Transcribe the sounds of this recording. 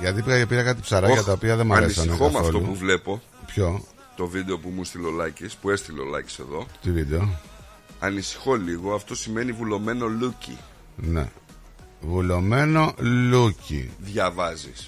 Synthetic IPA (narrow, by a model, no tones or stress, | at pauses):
ʝɐt̪ipɣɐʝepiɾɐkɐt̪̬i̥psɐɾɐjɐt̪ɐo̞piɐðe̞mɐesɐneoɐθɐoflt̪ouuvle̞po̞ | pço̞ | t̪o̞vid̪e̞o̞pumust̪ilo̞lɐcispue̞st̪ilo̰lɐ̰ci̥se̞̰ðo̞t̪ivid̪e̞o | ɐnisi̥xo̞liɣo̞ɐft̪o̞sime̞nivulo̞me̞no̞lucḭ | ne̞̰ | vulo̞me̞no̞lucḭðʝɐvɐzis